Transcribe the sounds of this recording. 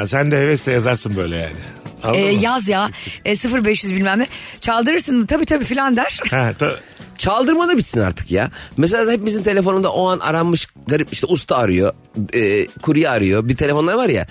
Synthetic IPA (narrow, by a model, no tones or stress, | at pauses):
sænd̪ɛhevɛst̪ɛjazaɾsɯnbø̞jlʲɛ̰ja̰ːnɪ | aɛːjazjaːɛsɯfɯɾbɛʃjyzbilʲmæmːɛt͡ʃʰalˠd̪ɯɾɯɾsɯnmt̪ʰabiːt̪ʰabiːfilʲand̪æɾ̥hɛt̪ʰab | t͡ʃʰalˠd̪ɯɾmad̪abit͡ʃ̪sina̰ɾt̪ʰɯ̥kja̰mes̬elʲaːhepimizint̪ʰe̞lʲe̞fo̞nund̪aʔo̞anʔa̰ɾammːɯʃ | ɡaɾipiʃt̪ʰɛust̪ʰaːɾɯjo̞ | ɛːkʰuɾujaːɾɯjobit̪ʰe̞lʲe̞foaɾvaɾja̰